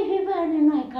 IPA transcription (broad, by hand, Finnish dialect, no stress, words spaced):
hyʋænen ɑikɑ